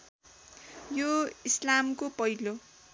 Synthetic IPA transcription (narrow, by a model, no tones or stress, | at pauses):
joislamkopʌɦilo